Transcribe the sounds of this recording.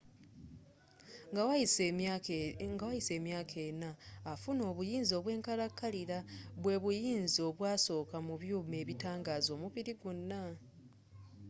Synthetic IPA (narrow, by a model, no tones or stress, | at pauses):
w | ŋɡawajise̞ːmjaːkʰe̞ːnaːfuno̞ːβujiːnzo̞ːβwe̞ːŋkaɾakːaliɾaβwe̞ːβujiːnzio̞βwaːso̞ːkamuβjuːme̞ːβitaːŋɡaːzo̞ːmuβiɾiɡunːa